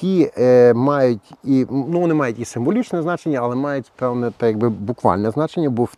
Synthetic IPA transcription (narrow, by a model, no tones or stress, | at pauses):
imɑjʊtʲinuʋɔnɪmɑjʊtʲisɪmʋɔlʲit͡ʃnɛznɑt͡ʃenʲːɐɐlˠɛmɑjʊtʲpɛwnɛt̪ɐjɐɡ̚bɪbukʋɑ̰lʲnɛznɑt͡ʃenʲːɐbɔ